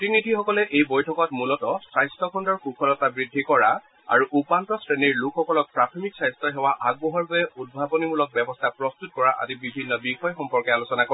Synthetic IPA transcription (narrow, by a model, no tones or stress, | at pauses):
tinidʱixɔkɔlɛʔejbojtʰɔkɔtmulɔtɔsɹajstʰɔkʰɔndɔɹkukʰɔlɔtabɹidʱːikɔɹa | a̰ɹuʔupantɔsɹeniɹlukʰxːɔkɔlɔk̚pɹatʰɔmiksajstɔɦɛwaʔaɡ̚bɔɦɔɹbɔjɛʔud̚bʱabɔnimulɔk̚bɛbɔstʰapɹɔst̪ut̚kɔɹaʔa̰zibibʱinːɔbixɔjɔxɔmpɔɹkɛalusɔnakɔ